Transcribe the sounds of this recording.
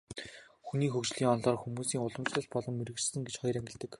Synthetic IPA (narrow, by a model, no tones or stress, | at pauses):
xuniːxɵkt͡ɕɮiːŋɔnɮɔːrxumuːsiːŋʊɮə̆mt͡ɕɮə̆ɬpɔɮɞ̆mːeɾɘ̆kt͡ɕsɘ̆ŋɡet͡ɕχɔjɾæŋɡʲɪ̆ɮt̪ɘ̆k